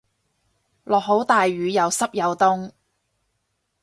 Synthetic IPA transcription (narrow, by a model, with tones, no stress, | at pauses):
lɔː˨k̚ɦo˨˥wt̪aː˨jːyː˨˧jɐ˨˧wsɐ˥p̚jɐ˨˧wt̪ʊ˥ŋ